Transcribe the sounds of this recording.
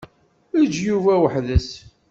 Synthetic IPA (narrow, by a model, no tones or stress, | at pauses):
əd͡ʒjuvæwəħðəs